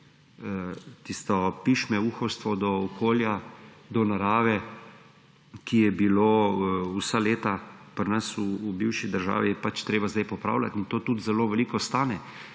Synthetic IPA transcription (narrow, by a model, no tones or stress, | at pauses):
t̪ist̪ɔpiʃmɛuːxɔwst̪ʋɔd̪ɔɔkʰoːljad̪ɔnaɾaːʋɛ | kʰijɛbiloːusaleːt̪apəɾnasuːbiwʃid̪əɾʒa̰ːʋijɛpat͡ʃt̪ɾeːbazd̪ajpɔpɾa̰ːwlat̪int̪oːt̪ut̪zɛloːʋɛliːkɔst̪aːnɛ